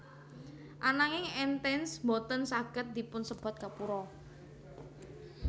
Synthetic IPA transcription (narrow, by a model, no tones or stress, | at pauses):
ʔanaŋɪŋɛnt̪ɛnsmbot̪ənsaɡ̥ət̪̚d̪̥ipʊnsəb̥a̤t̪̚kapuɾɔ